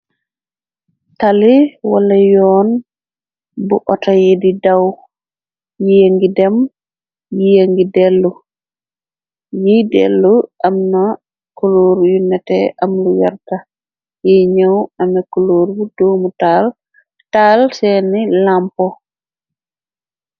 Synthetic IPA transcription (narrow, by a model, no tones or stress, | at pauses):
taliwalajɔn | buʔɔtajedidaw | jeŋɡidɛm | jieŋɡidɛlːu | jidɛ̰lːuʔamna | kɔloɾjunɛtɛʔamlujaɾta | jɛɲawamɛkɔloɾbudoːmutal | talsɛnilampɔ